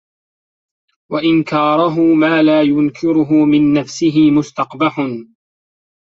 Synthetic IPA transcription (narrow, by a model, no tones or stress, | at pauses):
waʔɪnkɑːɾˤʊɦʊmaːlaːjʊnkʰɪɾʊɦʊmɪnːafsɪɦɪmʊst̪ɑqbaħʊn